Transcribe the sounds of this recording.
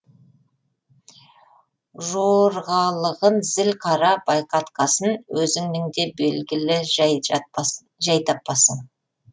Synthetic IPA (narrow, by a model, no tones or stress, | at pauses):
ʒoɾʁɑlˠəʁənzɪlqʰɑɾɑb̥ɑjqɑt̪qɑsənwɵzɪŋnɪŋd̪e̞be̞lɡʲɪlɪ | ʒɑjt̪ʰɑpːɑsən